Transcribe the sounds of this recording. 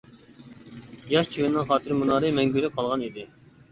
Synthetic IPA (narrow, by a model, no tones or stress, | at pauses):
jɑʃt͡ʃʰiwɪnːɪŋχɑːt̪ʰɨɾmunɑːɾɨmɛŋɡʲylɪqʰɑlˠʁɑnid̪ɪ